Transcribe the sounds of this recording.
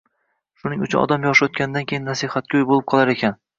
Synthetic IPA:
ʃʊnɪŋʊt͡ʃʰʊnɒ̰d̪amjɒʃɪot̪̚kʲanɪd̪ankʲʰejɪnːasihat̪̚kʲaʊjbolˠɪp̚qʰɒlˠaɾekʲʰan

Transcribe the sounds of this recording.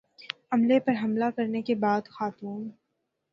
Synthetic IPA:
ɐmlepɐɾɦɐmlakɐɾnekebaːd̪xaːt̪uːn

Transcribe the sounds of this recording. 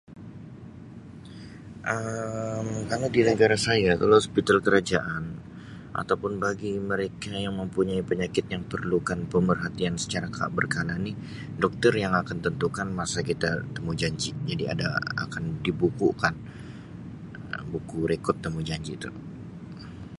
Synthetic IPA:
ʔəmkaladinəɡaɾasajat̪əloɔspit̪alkəɾad͡ʒaʔan | ʔa̰t̪awpʊnbaɡiməɾekajaŋməmpuɲaipəɲakɪt̪̚jaŋpərlukanpəmərɦat̪iansə̥t͡ʃaɾakʰaa̰ʔ̚bərkalani | dɔk̚t̪ərjaŋakant̪ənt̪ukanmasakit̪at̪əmud͡ʒaɲd͡ʒid͡ʒadia̰da̰a̰kandibukukan | əbukuɾekɔrt̪ːəmud͡ʒaɲd͡ʒit̪ṵ

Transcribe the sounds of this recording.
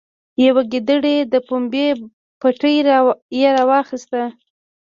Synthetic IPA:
jawaɡid̪əɽed̪əpumbe | paʈəjɾjaɾɑwɑxist̪a

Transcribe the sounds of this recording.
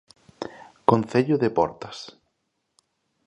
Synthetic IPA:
konθeʎʊðepɔ̰ɾt̪ɐ̥s

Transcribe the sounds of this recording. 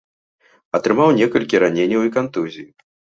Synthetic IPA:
ɐt̪ɾɨmawnʲɛkɐlʲkʲiɾanʲenʲɐwikant̪ɨzʲiji

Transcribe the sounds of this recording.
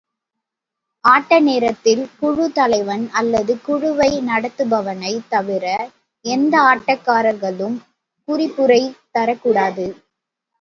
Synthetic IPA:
ʔaːʈːɐneːɾɐt̪ːɪlkʊɻʊt̪ɐlɐɪʋɐnɐlːɐðɯkʊɻʊʋɐɪnɐɽɐt̪ːɯbɐʋɐnɐɪt̪ːɐʋɪɾɐ | ɛnd̪ɐaːʈːɐkːaːɾɐɾɣɐɭɯm | kʊɾɪpːɯɾɐɪt̪ɐɾɐkːuːɽaːðɯ

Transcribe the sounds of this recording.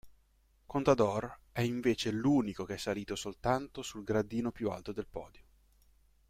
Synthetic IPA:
kont̪ad̪ɔrɛiɱveːt͡ʃeluːnikokeɛsːaliːt̪osolt̪ant̪osulɡɾad̪iːnopjua̰lt̪od̪elpɔ̰ːd̪jo

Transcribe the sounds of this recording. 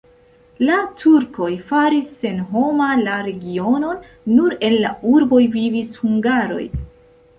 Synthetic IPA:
latʰuɾko̞jfaɾisːe̞nɦo̞malaɾe̞ɡio̞no̞nː | uɾe̞nlauɾbo̞jvivishuŋɡaɾo̞̰j

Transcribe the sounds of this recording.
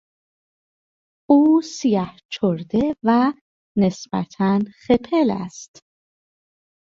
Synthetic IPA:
ʔuːsijæht͡ʃʰoɾd̪evæ | ne̞sbæ̰t̪ʰænxe̞pʰelæ̰st̪

